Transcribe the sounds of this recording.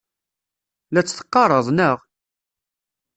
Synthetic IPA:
læt͡sːθə̥qːɑrˤəðˤnəʁ

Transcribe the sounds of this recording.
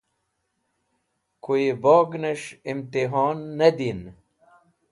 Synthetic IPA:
koeboːɡneʂimt̪iɦɔːnːɐd̪in

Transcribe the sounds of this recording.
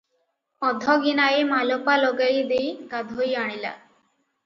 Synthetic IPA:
ɔd̪ʱɔɡinaemalɔpalɔɡajd̪ejɡad̪ʱojaɽ̃ila̰

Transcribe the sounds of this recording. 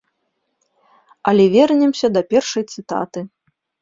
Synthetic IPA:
ɐlʲɛvʲɛrnʲɛmsʲɐd̪ɐpʲɛrʂɐjt̪sɨt̪a̰t̪ɨ

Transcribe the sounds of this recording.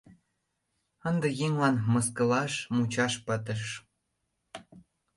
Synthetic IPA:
ənd̪ĕjeŋlɑnməskəlɑʃmut͡ɕɑʃpət̪ə̆ʃ

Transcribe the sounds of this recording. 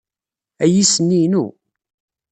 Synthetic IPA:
æjisənːinṵ

